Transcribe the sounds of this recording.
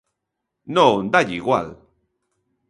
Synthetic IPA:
nound̪aʎiɣwa̰l

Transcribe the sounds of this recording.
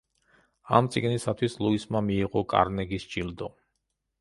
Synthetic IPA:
a̰mt̪sʼḭɡnisat̪ʰwislˠuismamiːʁɔkʼa̰ɾnɛɡisd͡ʒild̪ɔ

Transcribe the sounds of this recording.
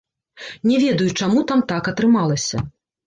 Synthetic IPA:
nʲɛvʲɛd̪ɐjut͡ʂamut̪amt̪akɐt̪ɾɨmalˠɐsʲɐ̰

